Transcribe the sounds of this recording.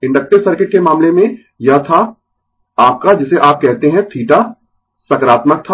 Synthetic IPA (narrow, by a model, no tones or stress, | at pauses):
ɪ̃ɳɖək̚ʈɪsɐɾkɪʈ̚kemaːmlemẽ | jɐɦt̪ʰa | aːp̚kad͡ʒɪseʔaːp̚kɛɦt̪eɦɛ̃t̪ʰiːʈa | sɐkɾaːt̪mək̚t̪ʰa